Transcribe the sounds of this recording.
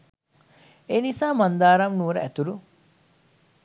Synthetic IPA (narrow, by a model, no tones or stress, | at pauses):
enisaːmɐnd̪aːɾɐmnuːɾɐʔæt̪uɾu